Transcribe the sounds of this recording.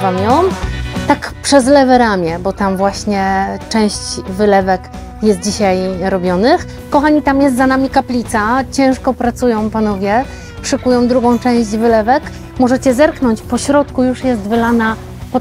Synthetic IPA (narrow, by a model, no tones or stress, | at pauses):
vamjɔmt̪akpʂɛzlɛvɛɾamʲjɛbɔt̪amvwaɕɲɛt͡ʂɛ̃w̃ɕt͡ɕvɘlɛvɛk | jɛst̪̚d͡ʑiɕajɾɔbʲjɔnɘx | kɔxaɲit̪amjɛst̪zanamʲikaplʲit̪sat͡ɕɛ̃w̃ʂkɔpɾat̪sujɔ̃w̃panɔvʲjɛ | pʂɛkujɔ̃w̃d̪ɾuɡɔ̃w̃t͡ʂɛ̃w̃ʑd͡ʑvɘlɛvɛk | mɔʐɛt͡ɕɛzɛɾkn̪ɔɲt͡ɕpɔɕɾɔt̪kujuʂjɛst̪vɘlana | pɔ